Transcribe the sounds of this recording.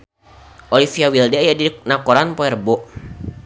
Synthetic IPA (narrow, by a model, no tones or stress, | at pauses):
ʔolifiawildɛjadiɾk̚nakoɾanpɔɛrbɔ